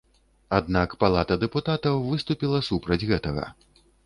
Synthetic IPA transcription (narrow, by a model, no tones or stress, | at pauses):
ad̪nakpalˠat̪ɐd̪ɛput̪at̪ɐwvɨst̪upʲilˠɐsupɾɐd͡zʲɣɛt̪ɐɣɐ̰